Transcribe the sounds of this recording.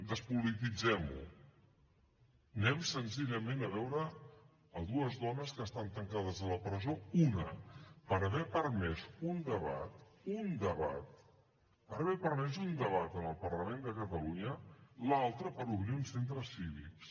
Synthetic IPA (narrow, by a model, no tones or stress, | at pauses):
d̪əspulit̪id͡zɛmṵ | nɛmsənziʎəmenəβɛwɾəː | ðuəzðɔnəskəst̪ant̪əŋkaðəzðələpɾəzounə̰pəɾəβɛpəɾmɛzund̪əβa̰t̪und̪əβa̰t̪̚ | pəɾəβɛpəɾmɛzund̪əβat̪ənəlˠpərləmẽnd̪əkət̪əluɲəlalˠt̪ɾəpəɾuβɾiunsent̪ɾəsiβ̞ḭks